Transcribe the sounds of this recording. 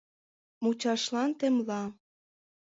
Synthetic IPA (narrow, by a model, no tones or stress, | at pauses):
mut͡ɕɑʃlɑnt̪ĕmlɑ